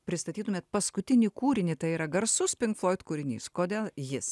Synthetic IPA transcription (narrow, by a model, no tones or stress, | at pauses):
pʲɾʲɪst̪ɐt̪ʲiːt̪ʊmʲeːt̪̚pɐskʊt̪ʲɪnʲɪkuːɾʲɪnʲɪt̪ɐɪiːɾɐɡɐɾsʊspʲɪŋkflˠoːɪt̪kuːɾʲɪnʲḭːskoːd̪ʲeːlˠjɪs